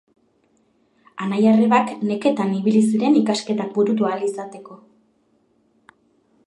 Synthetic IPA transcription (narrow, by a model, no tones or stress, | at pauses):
anajareβakne̞ke̞t̪aniβilisiɾe̞nikaske̞t̪ak̚buɾut̪̬ualisat̪e̞ko̞